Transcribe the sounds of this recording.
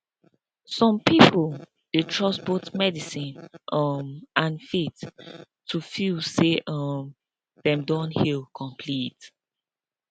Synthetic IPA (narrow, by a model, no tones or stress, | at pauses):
sɔ̃mpipʰol | detʰɹɔsbotmɛdisĩnʔʌmʔãnfit | tʰːufilseʔʌm | ðɛ̃mdɔ̃nhilkʰɔ̃mpʰlit